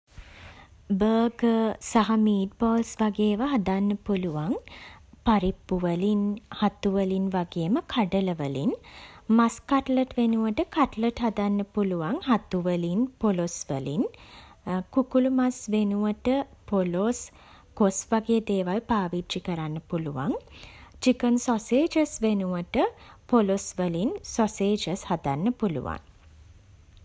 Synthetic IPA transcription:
bəːɡəsaɦamiːʈ̚boːlsʋaɡeːʋəɦad̪anːəpuluʋaŋpaɾipːuʋəlinhat̪uʋəlinʋaɡeːməkʰaɖələʋəlinmaskaʈləʈʋenuʋəʈəkaʈləʈɦad̪anːəpuluʋaŋhat̪uʋəlinpolosʋəlin | kukulumasʋenuʋəʈəpolos | kosʋaɡeːd̪eːʋalpaːʋitt͡ʃikəɾanːəpuluʋa̰ŋt͡ʃikənsɔseːd͡ʒəsʋenuʋəʈəpolosʋəlinsɔseːd͡ʒəshad̪anːəpulṵʋa̰ŋ

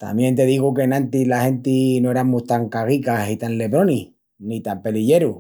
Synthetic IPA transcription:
t̪a̰mje̞nt̪e̞ðiɣukenãnt̪ilahe̞nt̪inoe̞ɾamuht̪aŋkaɣikasit̪anle̞βɾo̞ni | nit̪ampe̞liʎe̞ɾu

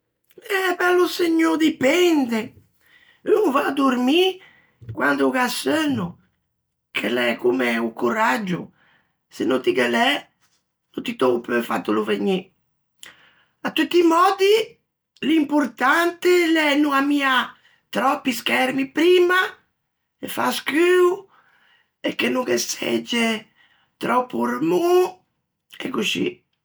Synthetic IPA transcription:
ɛbɛlːoseɲːod̪ipɛnd̪e | øŋvaːd̪urmi | kwand̪ʊɡasønʊ | kʰelɛkumeukuɾad͡ʒːʊ̰ | senːot̪ikəlɛ | nut̪it̪ɔpøfa̰t̪ːoloveɲːi | at̪ːut̪ːimɔːd̪i | limpʊɾt̪ant̪elɛnuamia | t̪ɾɔpːiskɛrmipɾiːma | efa̰skyːu | ekːenːukesḛd͡ʒːe | t̪ɾɔpːurmu | ḛkːusḭ

